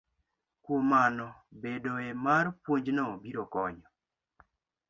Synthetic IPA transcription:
kwomanɔbedoemarpwoɲd͡ʒnɔbiɾɔkɔɲɔ

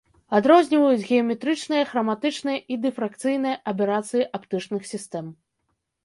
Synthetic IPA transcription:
ad̪ɾɔzʲnʲivɐjud͡zʲɣʲɛɐmʲɛt̪ɾɨt͡ʂnɨjɐɣɾɐmat̪ɨt͡ʂnɨjɐʔid̪ɨfɾakt̪sɨjnɨjɐʔɐp̬ʲɛɾat̪sɨjiʔapt̪ɨt͡ʂnɨxsʲist̪ɛm

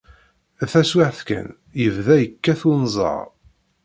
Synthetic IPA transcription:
æθæswɪʕθkæ̰n | jəvðæjəkːæθunzˤɑ̰ɾˤ

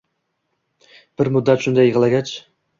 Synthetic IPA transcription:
b̥ɪɾmʊd̪ːat̪ʃʊnd̪ajːɨʁɨlˠaɡʲat͡ʃ

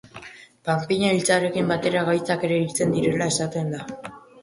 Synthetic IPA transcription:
pampiɲailt͡saɾe̞kimbat̪e̞ɾaɣajt͡sake̞ɾe̞it͡se̞nd̪iɾe̞lae̞sat̪end̪a

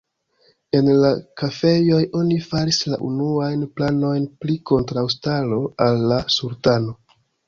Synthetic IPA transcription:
e̞nlakafe̞jo̞jʔo̞nifaɾisla̰ʔunuajnplano̞jnpliko̞ntɾawstalo̞alːasuɾtano̞

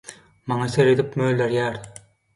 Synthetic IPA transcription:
mɑŋɑseɾed̪ipmøːlʲd̪eɾjæːɾ

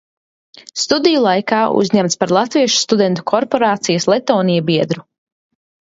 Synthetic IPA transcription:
st̪ud̪ijulˠajkaːṵzʲɲɛmt̪spaɾlˠat̪viɛʃu̥st̪ud̪ɛnt̪u̥kʰɔɾpɔɾaːt̪sijaslˠɛt̪ɔːnijabiɛd̪ɾu

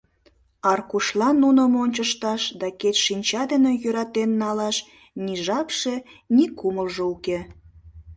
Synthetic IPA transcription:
ɑrkuʃlɑnːunəmonʲt͡ɕəʃt̪ɑʃd̪ɑket̪ʃinʲt͡ɕɑd̪enĕjøɾɑt̪enːɑlɑʃ | niʒɑpʃenikuməlʒeuke

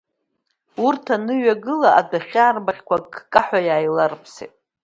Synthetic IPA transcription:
urtʰanɨɥaɡɨlaʔadaχʲaːrbaχʲkʷaɡkʼaħʷᶣajaːjlarpʰsḛtʼ

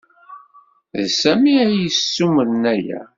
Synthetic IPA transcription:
ðsæmiæjəsːuməɾnæjæ̰

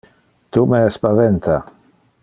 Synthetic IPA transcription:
t̪umeespaðent̪a

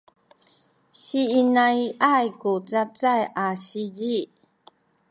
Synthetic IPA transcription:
ɕiːnaiʔajkut͡sat͡sajʔaɕiɟi

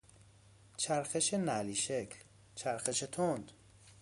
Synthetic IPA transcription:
t͡ʃʰæɾxeʃenæliːʃekʰl | t͡ʃʰæɾxeʃet̪ʰond̪̥

